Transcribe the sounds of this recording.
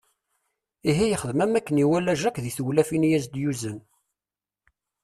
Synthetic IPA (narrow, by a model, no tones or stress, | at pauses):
iɦijəχəðmæmækːəniwælːæʒækʷðiθuwlæfinjæzd̪juzən